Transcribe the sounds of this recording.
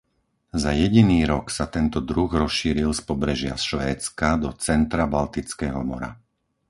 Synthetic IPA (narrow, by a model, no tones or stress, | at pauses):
zajɛɟiniːɾɔksat̪ɛnt̪ɔd̪ɾuɣɾɔsʃiːɾilspɔbɾɛʒɪa̰sʃʋɛːt͡skad̪ɔt͡sɛnt̪ɾabalt̪it͡skɛːɦɔmɔ̰ɾa̰